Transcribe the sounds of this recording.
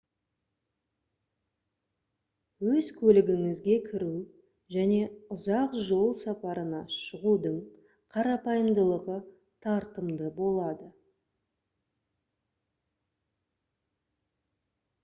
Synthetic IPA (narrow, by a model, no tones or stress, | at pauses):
wɵzkʲʰɵlɪɡʲɪŋɪzɡʲe̞kʲʰɪɾu | ʒæne̞ʊzɑqʒo̞lˠsɑpɑɾənɑʃəʁud̪əɴ | qʰɑɾɑpɑjəmd̪əlˠəʁə | t̪ʰɑɾt̪əmd̪əbo̞lˠɑd̪ə